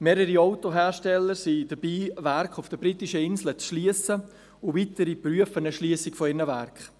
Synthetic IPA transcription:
meːɾəɾiɔʊtoɦɛːɾʃtɛləɾsidəbiːvæɾkχʊfd̥əbɾitiʃəɪnslət͡sʃliəsə | ʊviːtəɾipryəfənəʃliəsɪkfɔɪɾnəvæɾkχ

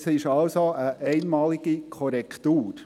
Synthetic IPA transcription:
sɪʃɑlsoəʔɛɪnmɑːlɪɡikʰɔɾɛkt̪uːɾ

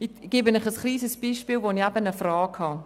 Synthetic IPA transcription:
iɡ̥ɪbənɪχəsχliːsəsb̥iːʃpiːlvoniɛbənəfrɑːkhɑ

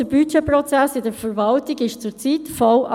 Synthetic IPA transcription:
əbyt͡ʃɛprɔt͡sæsɪdəɾfəɾvɑltɪɡɪʃt͡sʊt͡sitfɔlʔɑ

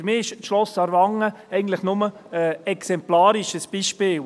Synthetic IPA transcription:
ɾmɪːɪʃʃlɔsɑɾʋɑŋːə | ɛɪɡən̩t̪lɪχnʊmə | ɛɛksɛmplɑːɾiʃəsb̥iːʃpɪːl

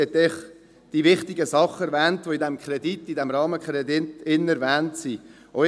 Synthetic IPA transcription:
ɛt̪ːɛχ | d̥ivɪχt̪ɪɡəsɑχːɛɾvɛːntʋoidɛmkχɾɛd̪itːidɛmɾɑːməkχɾɛdɪtɪnɛɾvæːntsi | ɔ

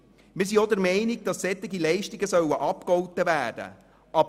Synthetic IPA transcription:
mɪs̬iɔd̪əɾmɛɪnɪɡ̚d̥ɑsːɛt̪ːɪɡilɛɪʃtɪɡəsœwəʔɑpkɔwt̪əvæːd̥ə̰ | ʔɑb

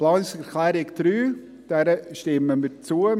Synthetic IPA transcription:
plɑːnsɛɾklæːɾɪkd̪̥ɾyː | d̥æɾəʃtɪməmɪt͡suə

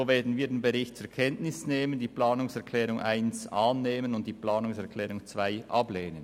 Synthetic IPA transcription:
oːveːɐdn̩viːɐdenbeʁɪçt̚t͡sʊɾkʰɛntnɪsneːməndiːplaːnʊŋsɛɐkʰlɛːʁʊŋʔa̰ɪnsʔaːnːeːmənʊntd̥iːplaːnʊŋsɛɾkʰlɛːʁʊŋt͡svaɪʔɑ̰bleːnən

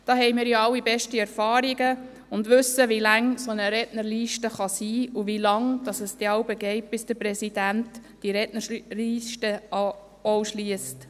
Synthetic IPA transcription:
d̥ɑːɦɛɪmɪːɾjoɑlːibɛʃtiæɾfɑːɾiɡə | ʊndʋʉsːəʋilæŋsonəɾɛtnəɾliːʃtəχɑsiːuvilɑŋd̥ɑsəsd̥̪ɛɑʊbəɡɛɪt̚b̥ɪsd̥əpɾɛsid̥ænt | d̥iɾɛtnəliːʃtə | owʃliəst

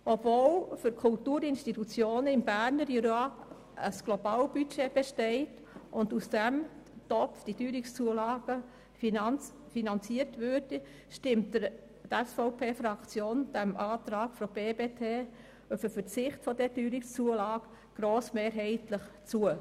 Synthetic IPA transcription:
ʔɔbvoːlfʏɾkʰʊltuːɾɪnʃtitut͡sjoːnəɪmbæɾnəɾiɾɑː | əsɡ̥lob̥ɑːlb̥yt͡ʃeb̥eʃtɛɪt | ʔʊndusd̥ɛmtɔpfd̥idyːɾɪkst͡suəlɑːɡ̥ə | finn | finɑnt͡siəɾtvøːɾd̥i | ʃtɪmtəɾ | tɛsfɔʊpʰeːfɾɑkt͡sjoːnd̥ɛmʔɑːt̪ɾɑːɡ̥fɔb̥eːbeːtʰeː | øfəfət͡sɪχtfɔdɛdyːɾɪkst͡suəlɑːɡ̥ | ɡ̥ɾoːsmeːɾɦɛɪtləχt͡suə

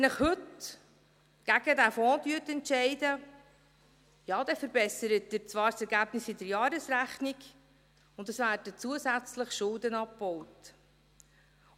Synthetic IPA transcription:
nəχhɵt | ɡ̥æɡədæfɔ̃ːdyətɛntʃɛɪdə | jɑːd̥̪ɛfəɾbɛsəɾət̚dəɾt͡svʋɑːɾsɛɾɡæːb̥nɪsɪdəɾjɑːɾəsɾæχniɡ | ʊnd̪əsvæːrd̥ət͡suəsæt͡sləχʃʊldənɑpbɔwt

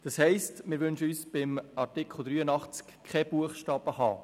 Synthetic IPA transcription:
d̥ɑshɛɪstmɪɾʋʏnʃəysb̥ɪmɑɾtɪkʰχl̩ˠd̪ɾyːənɑχt͡skkʰɛb̥uəχʃtɑːbəhɑ̰ː

